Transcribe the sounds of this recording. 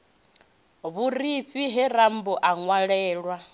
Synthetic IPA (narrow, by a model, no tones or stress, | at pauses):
βuɾiɸiɦɛɾam̩bɔʔaŋwaɺɛːɺwa